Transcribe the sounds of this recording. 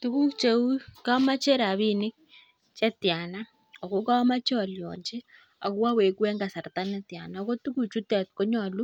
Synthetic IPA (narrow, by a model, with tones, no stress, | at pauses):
tu˦βu˦kt͡ʃe˨u˦ka˦ma˦t͡ʃe˦ɾa˨βi˦ni˦ | t͡ʃɛ˦tja˨na˦ | ɔ˨ko˦ka˦ma˦t͡ʃe˦ɔ˨ljɔ̰˨ɲd͡ʒe˦ | a˨kwa˦we˨kwɛ˦ŋɡa˨sa˨ɾta˦nɛ˦tja̰˨naɔ˨ko˦tu˦ku˨t͡ʃu˦tɛ˨t̚ko˦ɲɔ˦˨lu˦